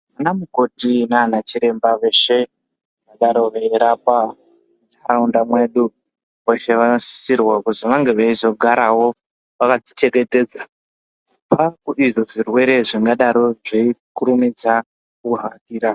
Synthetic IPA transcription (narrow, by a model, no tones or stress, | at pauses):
ʋanamuko̞tinaːnat͡ʃiɾe̞mbaʋe̞ʃe̞ | akɡaɗaɾo̞ʋaiɾapa | muaundamwe̞ɗu | ʋeʃe̞ʋanosi̥sirwakuziʋaŋɡe̞ʋaizo̞ɡʱaɾawo̞ | ʋakad͡zit͡ʃe̞ke̞te̞ːd͡za | pakuiʐo̞ʐirwe̞ɾe̞ʐiŋɡaɗaɾo̞ʐeikuɾumid͡za | kuɦakiːɾa